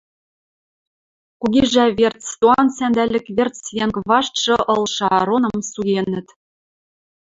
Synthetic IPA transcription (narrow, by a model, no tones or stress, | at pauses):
kuɣiʒæβert͡st̪oɑnsænd̪ælʲɘ̆kβert͡sjeŋkβɑʃt̪ʃɤ̆ʔɤ̆lʃɑɾonɤ̆msujenɘ̆t̪